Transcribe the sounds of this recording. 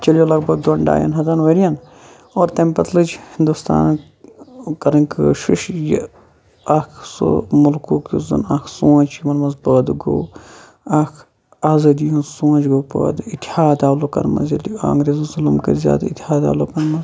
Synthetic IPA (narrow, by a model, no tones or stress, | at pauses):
t͡ʃɐljolɐɡbɐɡ̚d̪oɳɖa̰ːjɐ̰nɦɐzɐnʋɐɾijɐn | oːɾt̪empɐt̪lɨd͡ʒhind̪ust̪a̰ːn | kɐɾɐnkɨʃuʃjɐ̰ | akʰso̰mulkuːkizɨ̰nakʰsũːt͡ʃkimɐnmɐzpəːd̪ɡo̰ː | akʰ | aːzɐːd̪ijũnsũːt͡ʃɡoːpə̰ːd̪it̪ihaːd̪aːloːkɐ̰ɾmɐ̰zɐla̰ːŋɡɾeːzuzulumkḛzʲja̰ːd̪it̪ihaːd̪a̰ːlokɐɾmɐz